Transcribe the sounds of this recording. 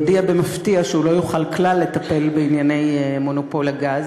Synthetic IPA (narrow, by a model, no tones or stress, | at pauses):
diabe̞maftiaʃeulo̞juχalklalːe̞t̪ape̞lbeinjane̞jmo̞nopo̞laɡaz